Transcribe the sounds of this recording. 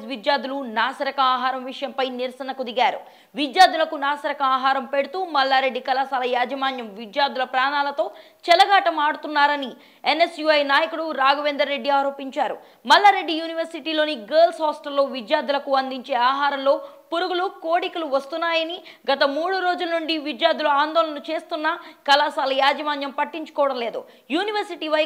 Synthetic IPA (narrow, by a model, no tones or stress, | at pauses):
sʋid̪jaːd̪ulunaːsɐɾɐkɐaːɦaːɾɐmʋiʂɐjɐmpɐjniɾsɐnɐkud̪iɡaːɾu | ʋid̪jaːd̪ulɐkunaːsɐɾɐkɐaːɦaːɾɐmpe̞ɽut̪uːmɐlːaːɾe̞ɖːikɐlaːsaːlɐjaːd͡ʒɐmaːnjɐmʋid̪jaːd̪ulɐpɾaːnaːlɐt̪o̞ː | t͡ʃɛlɐɡaːʈɐmaːɽut̪unːaːɾɐni | enːe̞sjuɐjnaːjɐkuɽuɾaːɡɐʋeːnd̪ɐɾːe̞ɖːiaːɾo̞ːpiɲt͡ʃaːɾṵ | mɐlːaːɾe̞ɖːijuːniʋɐɾsiʈiːlo̞ːniɡeːlsɦɔːsʈɐɾlo̞ːʋid̪jaːd̪ulɐkuɐnd̪iɲt͡ʃe̞ːaːɦaːɾɐmlo̞ː | puɾuɡulukoːɽikɐluʋɐst̪unːaːjɐni | ɡɐt̪ɐmuːɽuɾo̞ːd͡ʒulɐnuɳɖiʋid̪jaːɾd̪ulɐaːnd̪ɔːlɐnut͡ʃe̞ːst̪unːɐkɐlaːsaːlɐjaːd͡ʒɐmaːnjɐmpɐʈːiɲt͡ʃu̥kɔːʋɐɽɐmle̞ːd̪ṵ | juːniʋɐɾsiʈiːʋɐj